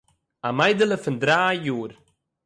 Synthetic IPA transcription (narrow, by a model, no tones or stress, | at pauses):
amajdəlˠəfɪndɾaːjuːɾ